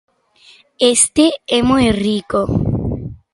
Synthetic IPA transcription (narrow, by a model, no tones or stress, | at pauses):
est̪eɛmojriko